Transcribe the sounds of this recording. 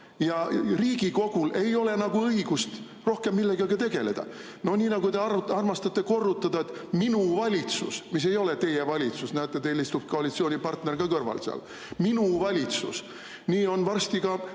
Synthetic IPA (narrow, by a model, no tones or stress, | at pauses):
jɑriːɡiko̞ɡ̥ule̞jo̞le̞nɑɡuɤiɡ̥ust̪ | ro̞hke̞mːilːe̞ɡɑɡɑt̪e̞ɡ̥e̞le̞̰d̪̥ɑ̰ | no̞hniːnɑɡut̪e̞ɑrɑrmɑst̪ɑt̪ːˑe̞ko̞rːut̪ːˑɑd̪ɑe̞t̪ːminuvɑlʲit̪sṵsmis̬e̞jo̞le̞t̪e̞jevɑlʲit̪susnæt̪ːˑet̪eːlist̪upko̞ɑlʲit̪sio̞ːnʲipɑrt̪ne̞rɡ̥ɑkɤrvɑ̰lseɑ̰l | minuvɑlʲit̪sṵs | niːo̞nvɑrst̪iɡɑ